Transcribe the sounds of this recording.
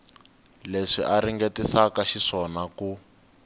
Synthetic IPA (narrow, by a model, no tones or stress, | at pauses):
leʂḭʔaɾiŋɡetisakaʃiʂɔnaku